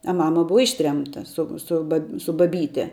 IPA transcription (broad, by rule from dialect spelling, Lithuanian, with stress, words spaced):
ɐ ˈmɑːmɐ ˈbʊʋɐ ˈɪʃʲtʲrʲɛmtɐ ˈsʊ sʊ ˈbɐ sʊ bɐˈbʲiːtʲɛ